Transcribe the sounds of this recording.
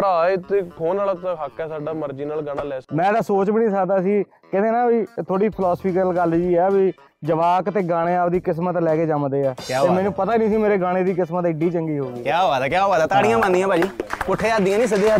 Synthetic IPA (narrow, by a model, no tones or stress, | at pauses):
ɾaːet̪eːkʰoːnaːlat̪ːɦakːɛːsaːɖaːməɾd͡ʒiːnəlɡaːnaːlɛːmɛ̃ːd̪aːsoːt͡ʃbiːnĩːsəkd̪aːsiː | kɪt̪eːnãːbit̪ʰoːɽiːpʰɪlɔːspʰiːkəlɡəld͡ʒiːɛːbiː | d͡ʒəʋaːkt̪eːɡaːɽ̃eːaːpd̪iːkɪsmət̪lɛːkeːd͡ʒəmd̪eːɛːjaːɦeːmɛːnũːpət̪aːniːsiːmeːɾeːɡaːɽ̃eːd̪iːkɪsmət̪ɪɖiːt͡ʃəŋɡiːɦoːɡiːkjaːɦoːaːd̪aːkjaːɦoːaːd̪aːt̪aːɽijãːbãnd̪ijãːbʱaːd͡ʒiːkʊʈʰːeːad̪ijãːnĩːs̬ɪd̪eːa